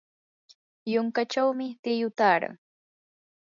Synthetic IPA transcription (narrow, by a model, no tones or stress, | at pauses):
jʊŋkat͡ʃawmɪt̪ɪjʊt̪aːɾa̰ŋ